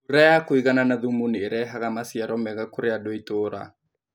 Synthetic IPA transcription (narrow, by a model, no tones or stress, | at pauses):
uɾɛjakoiɣananaðumunieɾɛɦaɣamasiaɾɔmɛɣakoɾeadoitoːɾa̰